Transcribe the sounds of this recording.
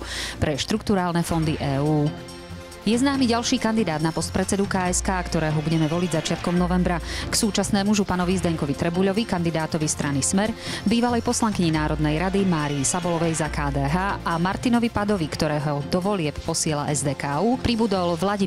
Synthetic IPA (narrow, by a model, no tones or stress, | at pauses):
pɾɛʃt̪ɾukt̪uɾaːlnɛfɔnd̪iʔɛːuː | jɛznaːmiɟalʃiːkand̪id̪aːd̪napɔst̪̚pɾɛt̪t͡sɛd̪ukaːɛskaːkt̪ɔɾɛːɦɔbuɟɛmɛʋɔliɟzat͡ʃɪat̪kɔmnɔʋɛmbɾaksuːt͡ʃasnɛːmuʒupanɔʋizd̪ɛŋkɔʋit̪ɾɛbuʎɔʋikand̪id̪aːt̪ɔʋist̪ɾanismɛɾbiːʋalɛjpɔslaŋkiɲinaːɾɔd̪nɛjɾad̪imaːɾiːsabɔlɔʋɛjzakaːd̪ɛːɦaːʔamaɾt̪inɔʋipad̪ɔʋikt̪ɔɾɛːɦɔd̪ɔʋɔlɪɛppɔsɪɛla̰ʔɛzd̪ɛːkaːuːpɾibud̪ɔlʋlaɟi